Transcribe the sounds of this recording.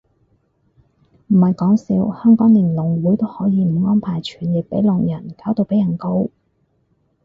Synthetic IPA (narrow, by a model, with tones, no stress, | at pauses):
m̩˨˩hɐ˨jkɔː˨˥ŋsiː˨˧whœː˥ŋkɔː˨˥ŋlɪ˨˩ŋlʊ˨˩ŋwuː˨˥jt̪o˥whɔː˨˥jiː˨˧m̩˨˩ŋɔː˥npʰaː˨˩jt͡ʃʰyː˨˩njɪ˨k̚pe˨˥jlɔ˨ŋjɐ˨˩nkaː˨˥wt̪o˧wpe˨˥jɐ˨˩nko˥w